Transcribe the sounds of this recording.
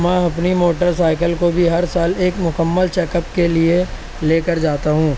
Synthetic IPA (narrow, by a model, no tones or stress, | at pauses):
mɛ̃ːɐpnimoːʈəɾsaːɪkəlkobʱiɦɐɾsaːleːkmʊkəmːəlt͡ʃɛːkəpkelie | leːkəɾd͡ʒaːt̪aɦũː